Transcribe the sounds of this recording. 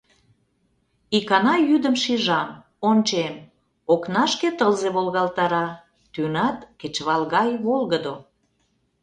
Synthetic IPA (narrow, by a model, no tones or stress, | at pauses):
ikɑnɑjyd̪əmʃiʒɑm | ont͡ɕem | oknɑʃket̪əlzeβolɣɑlt̪ɑɾɑ | t̪ynɑt̪ket͡ɕβɑlɣɑjβolɣəd̪o